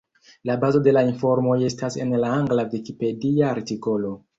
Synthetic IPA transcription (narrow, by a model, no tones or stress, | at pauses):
labazo̞de̞lainfo̞ɾmo̞je̞stase̞̰nlaaŋɡlavikipe̞diaːɾtiko̞lo̞